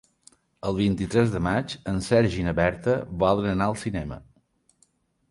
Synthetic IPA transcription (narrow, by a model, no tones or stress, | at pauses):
əlˠβint̪it̪ɾɛzðəmat͡ʃənsɛɾʒinəβɛɾt̪əβalˠɾənaəlˠsinɛmə̰